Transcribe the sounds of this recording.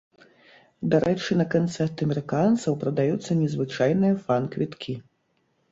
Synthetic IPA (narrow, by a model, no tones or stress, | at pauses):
d̪aɾʔɛt͡ʂɨnɐkant̪sɛrt̪ɨɐmʲɛɾɨkant̪sɐwpɾɐd̪ajut̪sːɐnʲɛzvɨt͡ʂajnɨjɐfankvʲit̪kʲʰi